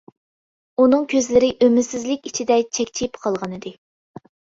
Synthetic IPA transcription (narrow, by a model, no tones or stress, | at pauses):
unɨŋkʲʰøzlɪɾɪʔømɪsɪzlɪkʲit͡ʃʰid̪ɛt͡ʃʰɛkʲt͡ʃʰipqʰɑlˠʁɑnɨd̪ɨ